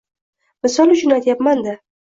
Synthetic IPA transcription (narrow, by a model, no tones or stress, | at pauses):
mɪsɒlˠʊt͡ʃʰʊnat̪ʰjapmand̪ɪ